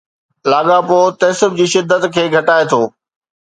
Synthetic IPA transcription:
laːɠapoːt̪ɐsəbd͡ʑiːʃɪd̪ʱːət̪kʰeːɡʱɐʈaːet̪ʰoː

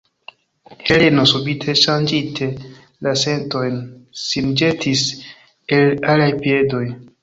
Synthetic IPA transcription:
heleno̞subitʰe̞ʃand͡ʒitʰe̞ | lase̞nto̞jnsind͡ʒe̞tʰis | elalajpie̞do̞j

